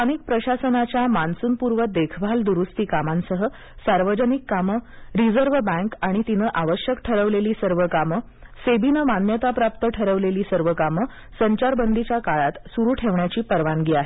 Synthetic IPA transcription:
ənik̚pɾəɕasənat͡ɕjamansuːnpuɾʋəd̪ekʰbʱald̪uɾust̪iːkamansəɦə | saɾʋəd͡ʑənikːaməɾid͡zəɾʋbæ̃ŋkaɽ̃it̪inəːʔaʋəɕjəkʈʰəɾəʋleliːsəɾʋəkamə | sebinəmanjət̪apɾap̚t̪əʈʰəɾəʋleliːsəɾʋəkamə | səɲt͡ɕaɾbənd̪ʱit͡ɕjakaɭat̪suɾuːʈʰeʋɳjat͡ɕiːpəɾʋanɡiːaɦe

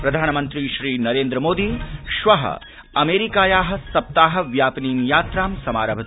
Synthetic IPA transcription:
pɾɐd̪ʱaːnɐmɐnt̪ɾiʃɾiːnɐɾeːnd̪ɾɐmoːd̪iːʃʋɐɦɐ̰ | ɐmeːɾikaːjaːɦɐ̆sɐp̚t̪aːɦɐʋjaːpiniːmjaːt̪ɾaːmsɐmaːɾɐbʱɐt̪

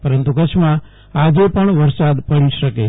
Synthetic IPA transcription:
pəɾənt̪ukət͡ʃʰmã | ad͡ʒepəɳʋəɾsad̪pəɽiʃəke

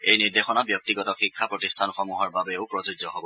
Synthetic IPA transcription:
ejniɹdexɔnabjɔk̚tiɡɔtɔxikʰːapɹɔtistʰanxɔmuɦɔɹbabeʊpɹɔzid͡ʒzɔɦɔbɔ

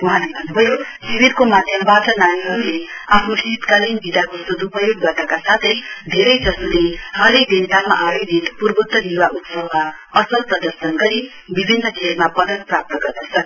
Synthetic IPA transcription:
uɦãlebʱʌnːubʱʌjosibiɾkomad̪ʱjʌmbaʈʌnaniɦʌɾuleapʰnusit̪kalinbid̪akosud̪upʌjoɡ̚daʈakasat̪ʰʌjd̪ʱeɾʌjd͡zʌsuleɦʌlejd̪ent̪ama̰ʔajed̪ʱit̪purbut̪ːʌd̪iwaʔut̪sʌɦma | ʌsʌlpʌd̪ʌɾsʌnɡʌɾi | bibʱinːʌkʰelmapʌd̪ʌnprap̚t̪ʌɡʌrd̪ʌt͡sʰʌ

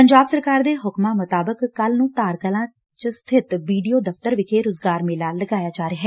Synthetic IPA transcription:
pəɲd͡ʒaːbsəɾkaːɾd̪eːɦʊkmãːmʊt̪aːbəkːəlnũːt̪aːɾkəlãː | t͡ʃst̪ʰɪt̪ʋiːɖijoːd̪əft̪əɾʋɪkʰeːɾʊzɡaːɾmẽːlaːlːəɡaːjaːd͡ʒaːɾeːɦɛː

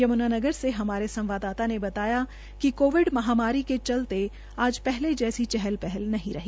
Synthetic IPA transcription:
jɐmʊnaːnɐɡəɾseɦɐmaːɾesɐ̃mʋaːd̪aːt̪anebɐt̪aːja | kikoːʋɪɖmɐɦaːmaːɾiket͡ʃɐlt̪e | aːd͡ʒpɛɦled͡ʒɛːsit͡ʃɛɦɛlpɛɦɛlnɐɦĩɾɐɦiː

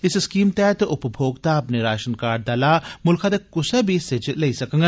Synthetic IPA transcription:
ɪsskiːmt̪ɛːt̪ʊpbʱoːɡt̪aɐpneɾaːʃənkaːɾd̪ɐlamʊlkʰat̪ekʊsebʱised͡ʒleisɐkɐ̃ŋɡ

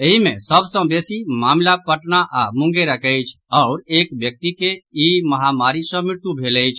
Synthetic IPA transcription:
eɦimẽsəbsə̃besimamlapəʈnaʔamũŋɡeɾəkəjt͡ʃʰɔʊɾekbjək̚t̪ikeiməɦamaɾisə̃miɾt̪jubʱeləjt͡ʃʰ

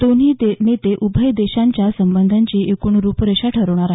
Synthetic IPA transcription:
d̪oniːd̪enet̪eʔubʱəjd̪eɕaɲt͡ɕjasəmbənd̪ʱaɲt͡ɕiːekuːɳɾuːpɾəɕaʈʰəɾəʋɳ̃aɾaɦ

